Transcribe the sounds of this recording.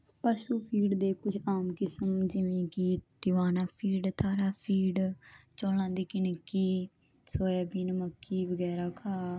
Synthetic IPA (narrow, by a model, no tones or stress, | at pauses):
paʃuːpʰiːɖd̪eːkʊd͡ʒaːmkɪsəmd͡ʒɪʋẽːkiːd̪ɪʋaːnaːpʰiːɖt̪ʰaːɾaːpʰiːɖt͡ʃoːlãːnd̪iːkɪnkːiː | soːaːbiːnməkːiːbəɡɛːɾaːkʰaː